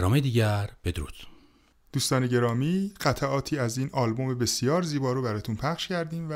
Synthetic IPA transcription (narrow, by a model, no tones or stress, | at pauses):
ɒːmed̪iːɟæɾb̥ed̪ɾṵːt̪ | d̪̥uːst̪ɒːne̞ɟe̞ɾɒːmiːɢ̥æt̪ʰæʔɒːt̪ʰiːæziːnɒːlbo̞mebe̞sijɒːɾziːbɒːɾobæɾɒːt̪ʰunpʰæχʃcʰæɾd̪iːmæ